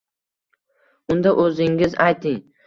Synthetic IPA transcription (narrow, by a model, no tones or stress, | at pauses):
ʊnd̪aʔɵzɪŋɪzajt̪ʰɪŋ